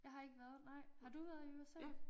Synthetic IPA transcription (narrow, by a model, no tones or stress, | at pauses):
jɑ̈ɪɦɑ̈e̝ɡ̥əʋæɐð̩ˠnɑ̈ɪ̰hɑ̈d̥uʋæːɐð̞̩ˠimasel̰